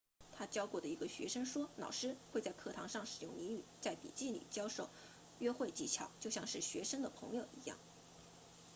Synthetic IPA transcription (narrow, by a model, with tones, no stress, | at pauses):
t̪ʰa˥t͡ɕjɑ˥ʊkwɔ˥˩d̪ə˩i˧˥ɡə˧ɕɥɛ̰˧˥ʂɤ˥ŋʂwɔ˥nɑ˨˩ʊʂɻ̩˥xwe˥˧ɪt͡sa˥˧ɪkʰɤ˥˩t̪ʰɑ̰˧˥ŋʂɑ˥˩ŋʂɻ̩˨˩jʊ˥˩ŋni˧˥ŋy˨˩t͡sa˥˩ɪpḭ˨˩t͡ɕi˥˩lḭ˨˩t͡ɕjɑ˥ʊʂo˥˩ʊ | ɥɛ˥xwe˥˧ɪt͡ɕi˥˩t͡ɕʰjɑ̰˨˩ʊt͡ɕjo˥˧ʊɕjɑ˥˧ŋʂɻ̩˥˩ɕɥɛ˧˥ʂɤ˥ŋd̪ə˨pʰɤ̰˧˥ŋjo˨˩ʊʔḭ˧˥jɑ̰˥˩ŋ